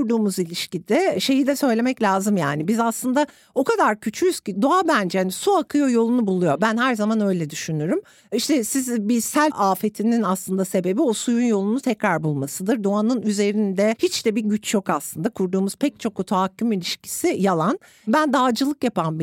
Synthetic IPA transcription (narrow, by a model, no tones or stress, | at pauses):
kʰuɾd̪uːmuzilʲiʃcid̪ɛʃe̞jid̪ʲɛsø̞jlʲe̞mɛclʲaːzɯmja̰ːnibizaslˠɯnd̪a | o̞kʰad̪aɾcʰyt͡ʃʰyjyz̥cid̪oabænd͡ʒɛhanisuakʰɯjo̞jo̞lˠunubulˠujo̞bænɦæɾzamanø̞jlʲɛd̪yʃynyɾym | iʃt̪ʰɛsizbisælʲaːfet̪ʰininaslˠɯnd̪ase̞be̞bio̞sujunjo̞lˠunut̪ʰɛcɾaɾbulˠmasɯd̪ɯɾd̪oanɯnyze̞ɾind̪ɛhit͡ʃd̪ɛbiɟyt͡ʃjokaslˠɯnd̪akʰuɾd̪uːmuz̥pʰɛc̚t͡ʃʰo̞kot̪ʰoacʲʰːymilʲiʃci̥sijalˠan | bænd̪aːd͡ʒɯlˠɯkjapʰanbi